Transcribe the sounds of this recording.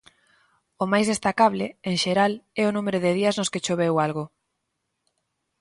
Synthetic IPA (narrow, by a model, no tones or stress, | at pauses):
ʊmajzðest̪akaβlɪeŋʃeɾalɛʊnumeɾʊðɪðiɐznʊsket͡ʃoβ̞ewalɣʊ